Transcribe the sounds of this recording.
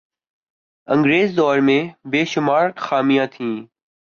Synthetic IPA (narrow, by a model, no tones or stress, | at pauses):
ə̃ŋɡɾeːzd̪ɔːɾmẽːbeːʃʊmaːɾxaːmɪjãːt̪ʰĩː